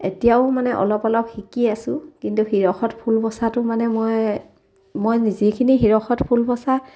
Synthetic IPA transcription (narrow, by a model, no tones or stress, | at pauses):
etijaʊmanɛʔɔ̰lɔpɔlɔpxikiasʊ̃kintuxiɹɔxɔtpʰulbɔsatʊmanɛmoj | mojnizikʰinixiɹɔxɔtpʰulbɔsa